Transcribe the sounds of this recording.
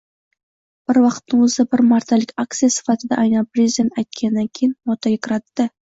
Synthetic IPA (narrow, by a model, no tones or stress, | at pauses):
b̥ɪɾwɑqə̥t̪ːəŋwɵzəbɪɾmɑrt̪ɑlɪkʲak̚t̪sɨjasɨ̥fɑt̪əd̪ɑ̰ʔɑjnɑprʲezʲid̪ʲent̪æjt̪̚kʲʰenːaŋkʲʰejnmot̪ɑjəkʲɾɑt̪ːə